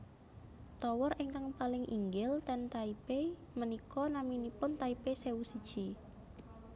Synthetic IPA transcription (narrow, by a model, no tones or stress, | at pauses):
t̪ɔwɔreŋkaŋpalɪŋʔḭŋɡɪlt̪ɛnt̪aipe | mənikɔnaminipʊnt̪aipeseusid̥ʒ̥i